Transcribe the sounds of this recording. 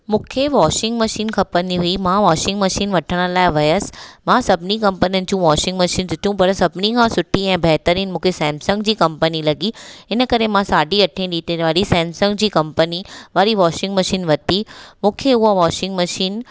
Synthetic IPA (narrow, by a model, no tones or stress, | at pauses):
mũːkʰeʋɔːʃɪ̃ŋɡmɐʃiːnkʰɐpənd̪iɦuimãʋaːʃɪ̃ŋɡmɐʃiːnʋɐʈʰəɽ̃ə̆laːɪʋɐjəsmãsɐbʱnikɐ̃mpənijənɪ̆d͡ʑũʋaːʃɪ̃ŋɡmɐʃiːndɪt̪ʰjũpɐɾsɐbʱɪnikʰãsʊʈʰiɛ̃ːbʱɛɦt̪əɾiːnmũːkʰesɛ̃ːmsə̃ŋɡd͡ʑiːkɐ̃mpənilɐɡiɪnəkɐɾemãsaːɖiɐʈʰĩɗiːt̪eʋaːɾisɛ̃ːmsə̃ŋɡd͡ʑiːkɐ̃mpəniʋaːɾiʋaːʃɪ̃ŋɡmɐʃiːnʋɐt̪imũːkʰeʊɦaʋaːʃɪ̃ŋɡmɐʃiːn